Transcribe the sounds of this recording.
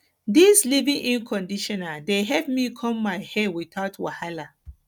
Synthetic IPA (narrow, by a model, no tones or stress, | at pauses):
dislivĩŋʔĩnkʰɔ̃ndiʃɔnadeɦɛpmikʰɔ̃mːaɪhɛwiθaʊtwahala